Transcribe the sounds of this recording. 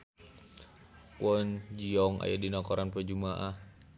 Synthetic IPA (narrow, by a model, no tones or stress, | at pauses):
kwɔnd͡ʒiɔŋa̰jadinakɔɾanpəd͡ʒumaʔah